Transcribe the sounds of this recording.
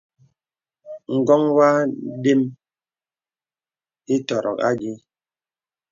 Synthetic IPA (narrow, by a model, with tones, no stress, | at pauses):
ŋ̩˨ɡɔ˦ŋwa˦de˦m | i˦tɔ˨ɾɔ̰˨ka̰˦ɡi˦